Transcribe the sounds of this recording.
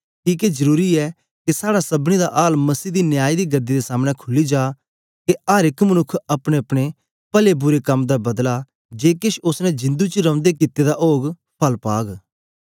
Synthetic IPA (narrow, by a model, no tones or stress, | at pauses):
kiːked͡ʒəɾuːɾiɛː | kesaːɽasɐbɽ̃id̪aʔaːlmɐsiːd̪injaːid̪iːɡəd̪iːd̪esaːmɽ̃ɛ̃kʰʊlid͡ʒaː | keʔaːɾɪkmənʊkʰɐpɽ̃eɐpɽ̃e | pəlebʊɾekɐmd̪abɐd̪la | d͡ʒeːkɪʃʊsnɛ̃d͡ʒɪ̃nd̪ut͡ʃɾɐ̃ʊ̃nd̪ekit̪ːed̪aʔoːɡ | pʰɐlpaːɡ